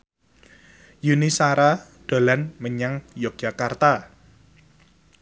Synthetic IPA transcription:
junisaɾaɖ̥a̤lanməɲaŋjɔk̚d͡ʒ̥akart̪a

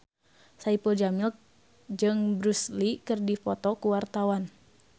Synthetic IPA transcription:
saipɔd͡ʒamilk̚ | d͡ʒɨŋbɾuslikɨrdifɔt̪ɔkuwart̪awan

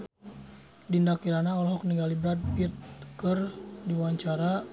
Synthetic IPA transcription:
dindakiɾanaɔlɔɦɔk̚niɡalibɾat̪̚pit̪̚kərdiwaɲt͡ʃaɾa

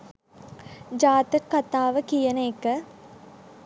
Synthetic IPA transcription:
d͡ʒaːt̪əkːat̪aːʋəkijənəːkə

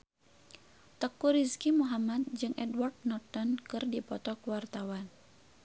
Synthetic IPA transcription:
t̪əkːuɾiskimuɦamat̪̚d͡ʒɨŋʔɛdward̪̚nɔrt̪ɔnkɨrdipɔt̪ɔkwart̪awan

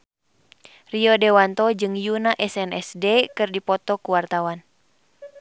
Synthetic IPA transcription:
riɔdɛwant̪ɔd͡ʒɨŋjunaʔɛsɛnɛ̰sdɛkɨrdipɔt̪ɔkuwart̪awan

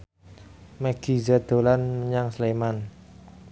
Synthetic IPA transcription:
maɡ̥izad̪̥o̤lanməɲaŋsleman

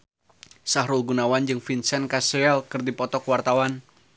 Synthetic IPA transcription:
sahɾulɡunawand͡ʒɨŋfinsɛnkaseɛlkɨrdipɔt̪ɔkwart̪awan

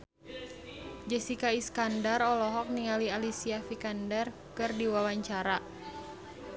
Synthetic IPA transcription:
d͡ʒɛsikaiskandarɔlɔɦɔk̚niŋalialisiafikandɛr | kɨrdiwawaɲt͡ʃaɾa

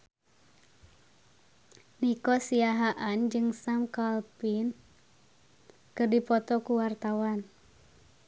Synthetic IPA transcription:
nikɔsiaɦaʔand͡ʒɨŋsamkalpin | kɨrdipɔt̪ɔkuwart̪awan

